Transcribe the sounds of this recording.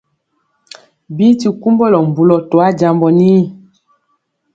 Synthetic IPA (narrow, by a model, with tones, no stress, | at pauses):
bi˦ti˨ku˦mbɔ˦lɔ˨m̩˨bu˨lɔ˨tɔ˨a˦d͡ʒa˨mbɔ˨ni˦